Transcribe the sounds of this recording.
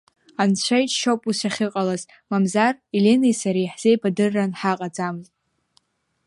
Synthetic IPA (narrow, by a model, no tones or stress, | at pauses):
ant͡ɕʷʰajt͡ʃʼʃopʼusaχʲɨqʼalaz | mamzarilenejsaɾijħz̥ejbadɨrːanħaqʼad͡zamɨztʼ